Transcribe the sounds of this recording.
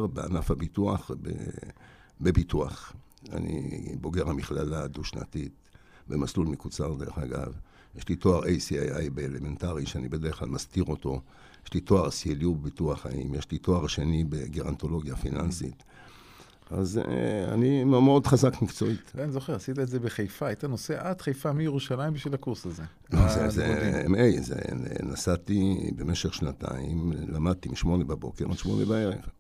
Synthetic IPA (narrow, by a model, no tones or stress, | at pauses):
ʁbea̰nafhabituaχbḛ | bebit̪uaχ | a̰nḭbo̞ɡe̞ʁhamiχlalad̪uʃna̰t̪it̪ | bemaslulmekut͡saʁd̪e̞ʁeχaɡa̰v | jeʃlit̪o̞aʁejsiajajbeeleme̞ntaʁiʃeanibed̪eʁeχla̰lmastiʁo̞t̪o̞ | jeʃlit̪o̞aʁsieljubebit̪uaχa̰ḭmjeʃlit̪o̞aʁʃe̞nibeɡiʁant̪o̞lo̞ɡjafinansḭt̪ | a̰za̰nimemodχazakmikt͡so̞itvanizo̞χeʁasit̪̬aezebeχejfaajt̪ano̞seʔadχejfamijeʁuʃalaimbiʃvilakuʁsaze | ozezeḛmejzḛnḛnasat̪ibe̞me̞ʃeχʃnat̪a̰imlamad̪̚t̪imiʃmo̞nebabo̞̰keʁazʃmo̞̰nebae̞ʁḛχ